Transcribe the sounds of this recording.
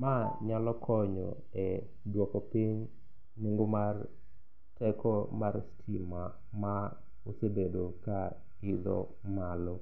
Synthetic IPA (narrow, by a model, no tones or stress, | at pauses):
maɲalɔkʰɔɲɔ̰ | e | dwɔkɔpiɲ | niŋɡomar | tɛkɔmaɾstʰima | ma | osebedoka | id̪ɔ̰ | malɔ